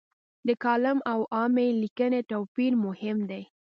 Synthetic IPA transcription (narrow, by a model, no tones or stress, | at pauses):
d̪əkɑlɪmawʔɑmelikənet̪apiɾmʊhɪmd̪aj